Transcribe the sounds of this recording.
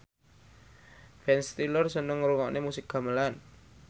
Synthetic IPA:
fɛnst̪ilɔrsənəŋɾuŋɔʔnemusɪk̚ɡ̥a̤məlan

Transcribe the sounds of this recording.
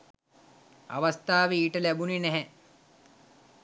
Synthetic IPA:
a̰ʋast̪aːʋeiːʈəlæbuninɛɦɛ

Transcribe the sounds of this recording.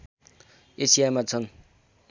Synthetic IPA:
esijajmat͡sʰʌn

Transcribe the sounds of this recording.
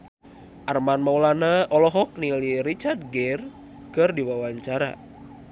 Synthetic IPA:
ʔarmanmaulanaɔlɔɦɔk̚niliɾit͡ʃard̪̚ɡɛr | kɨrdiwawaɲt͡ʃaɾa̰

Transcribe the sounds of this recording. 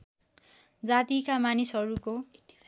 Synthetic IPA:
d͡zat̪ikamanisɦʌɾuko

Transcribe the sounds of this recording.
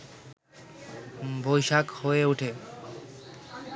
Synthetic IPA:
bʱojʃakhoeuʈʰe

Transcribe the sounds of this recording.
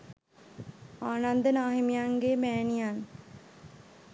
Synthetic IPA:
aːnand̪ənəaɦimijaŋɡemæːnijan

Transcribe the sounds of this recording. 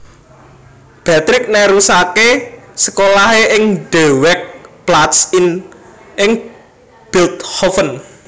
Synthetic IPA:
b̥ɛt̪ɾɪk̚nəɾusakesəkolaɦeʔɪŋɖ̥ɛ̤wɛk̚plat̪sɪn | ʔɪŋ | b̥ilt̪hɔfən

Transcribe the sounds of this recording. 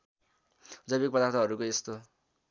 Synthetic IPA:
d͡zʌjbik̚pʌd̪art̪ʰʌɦʌɾukoest̪o

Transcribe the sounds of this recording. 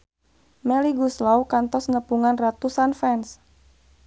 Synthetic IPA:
mɛliɡuslawkant̪ɔsnəpuŋanrat̪usanfɛns

